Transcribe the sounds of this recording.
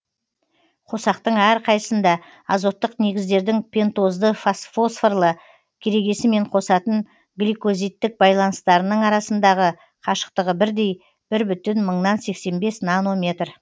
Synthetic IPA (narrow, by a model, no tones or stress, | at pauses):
qʰo̞sɑqt̪əɴæɾqʰɑjəsənd̪ɑ | ɑzo̞t̪ːəqne̞ɡʲɪzd̪e̞ɾd̪ɪŋpʰʲe̞nt̪o̞zd̪əfosfo̞sferlˠə | kʲʰeɾe̞ɡʲe̞sɪme̞ɴqʰo̞sɑt̪əɴ | ɡlʲijkozijt̪ːɪk̚bɑjlˠɑnəst̪ɑɾənəɴɑɾɑsənd̪ɑʁə | qʰɑʃə̥qt̪əʁəbɪɾd̪e̞j | b̥ɪɾbʏt̪ɪnməɴnɑnse̞kse̞nbe̞snano̞mʲe̞t̪r